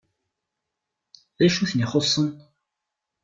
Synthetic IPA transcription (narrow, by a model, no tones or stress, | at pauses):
ðæʃuθniχosˤːən